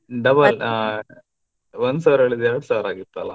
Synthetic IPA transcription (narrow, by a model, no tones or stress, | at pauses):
ɖɐbɐl | ond̪saːʋɾɐɭid̪ɛɾɐɽusaːʋɾaːɡit̪ːaɐlɐ̰